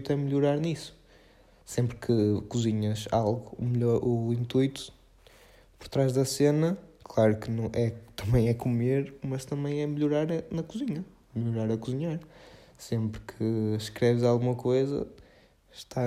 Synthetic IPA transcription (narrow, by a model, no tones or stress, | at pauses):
t̪ɛmɨʎuɾaɾnisu̥ | sẽmpɾkʰɨkuziɲɐʃalˠɣumɨʎɔɾuĩnt̪ujt̪u̥ | pɔɾt̪ɾaʒðɐsenɐklˠaɾukɨnɐ̃w̃ʔɛt̪ɐ̃mɐ̃j̃ɛkumeɾmɐʃt̪ɐ̃mẽj̃ɛmɨʎuɾaɾɐnɐkuziɲɐ | mɨʎuɾaɾɐkuziɲaɾ | sẽmpɾkʰɨʃkɾɛvzalˠɣumɐkojzɐ̰ | ʃt̪a